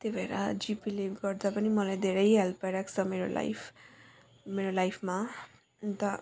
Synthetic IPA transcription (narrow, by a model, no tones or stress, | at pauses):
t̪ebʱeɾa̰d͡zipilebɡʌrd̪apʌnimʌlajd̪ʱeɾʌjɦelpʌɾakt͡sʰʌmeɾo̰la̰jpʰ | meɾolajpʰma | t̪ʌ